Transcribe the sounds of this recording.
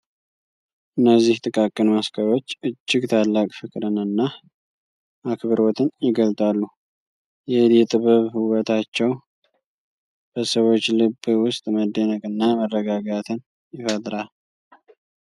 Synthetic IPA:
ʔɨnːəzːiht̪ʼɨkʼakʼːənmaskəβo̞t͡ʃːɨd͡ʒːɪɡt̪ʰalːakʼfɨkʼɾɨnɨnːa | ʔakʰβəɾɔt̪ʰɨnjɪɡəlt̪ʼalːu | jɛlɛt̪ʼɨβɨβhɨwət̪ʰat͡ʃːɛw | b̥əsəwo̞t͡ʃːlɨbwʊst̪ʼməd̪ːenəkʼɨnːamərːəɡaɡat̪ʰɨn | jɪfət̪ʼɾal

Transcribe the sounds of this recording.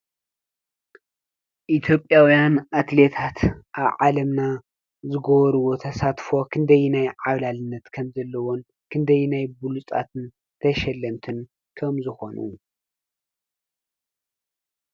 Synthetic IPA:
ʔit̪ʰjo̞pʼjawjanʔat̪le̞t̪ʰat̪ʔaβʕalɐmna | zɨɡoβɾuwo̞t̪ʰɐsat̪fo̞kʰɨnd̪ɐjnajʕaβlalɨnːɐt̪kʰɐmzɐlːɐwon | kʰɨnd̪ɐjnajbulut͡sʼa̰t̪ʰɨn | t̪ʰɐʃɐlːɐmt̪ʰɨn | kʰɐmzɨxo̞nʔu

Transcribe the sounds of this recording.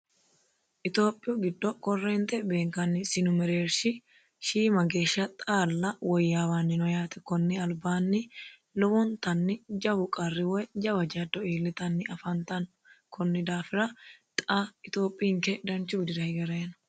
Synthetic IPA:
ʔɪt̪o̞ːpʼːɪjʊɡɪd̪ːɔkɔrːeːnt̪ɛbe̞ːŋkɐnːɪsɪnʊmɛɾeːɾʃɪ | ʃiːmɐɡe̞ːʃɐt̪ʼaːlːɐwɔjːaːwaːnːɪnɔjaːt̪ɛ̥kɔnːɪɐlbaːnːɪ | lɔwɔnt̪ɐnːɪd͡ʒɐbʊkʼɐrːɪwɔjd͡ʒɐbɐd͡ʒɐd̪ɔiːlːɪt̪ɐnːɪɐfɐnt̪ɐn | kʰɔnːɪd̪aːfɪɾɐt̪ʼaɪt̪o̞ːpʼːiːŋkɛd̪ɐnt͡ʃuːd̪ɪɾɐjɪɡɐɾeːnɐ̥

